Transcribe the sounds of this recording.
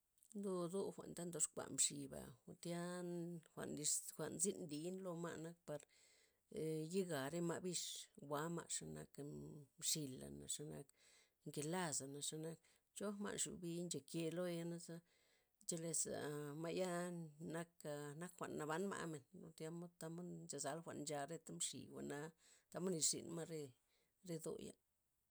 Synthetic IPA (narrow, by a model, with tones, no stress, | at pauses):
nd̪o˦d̪o˦xʷa̰˨nt̪a˦nd̪o˨˧ʂkʷa̰˨mʂi˨ba̰˨o˧t̪ja˦xʷa̰˨ʔnd̪i˧ʂxʷa˨ʔnzi˦nd̪i˨˦nlo˧ma̰˧na˧k̚pa˧ɾ | ji˦ɡa˨ɾe˦ma˧bi˦ʂwʷa˨˦ma̰˧ʂa˧na̰˧kmʂi˧la̰˨na̰˨ʂa˧na̰˧k | ŋke˨la˦sa˨na˨ʂa˧na˧k̚ | t͡ʃo˦ma̰˧˨nʂṵ˨bi˦nt͡ʃe˨ke˧lo˦ja˧na˦za˦ | t͡ʃe˦le˧sa̰˨ma˧ja˦na˦ka˧na˦kxʷa̰˨ʔnːa˨ba˦nma̰˧me˨nlo̰˧t̪ja˧˦mo˦d̪t̪a˦mo˦dnt͡ʃa˧˨za˧˦lxʷa˨ʔnnd͡ʒa˧ɾe˦t̪a˦mʂḭ˨wʷa̰˨na˧t̪a˧mo˦ni˧sʂḭ˨nma˦ɾe˦ | ɾe˦d̪o̰˧ja̰˧˦